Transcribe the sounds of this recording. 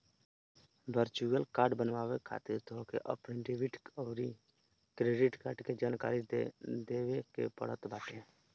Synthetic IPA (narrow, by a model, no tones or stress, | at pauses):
ʋəɾt͡ʃuəlkaːɾɖbənʋaːʋekʰa̰ːt̪ɪɾt̪ʰoːkḛʔə̰pniɖɪʋɪʈəɾi | kɾeːɖɪʈkaːɖked͡ʒaːnka̰ːɾid̪eːʋekḛpə̰ɽ̤ət̪baːʈẽ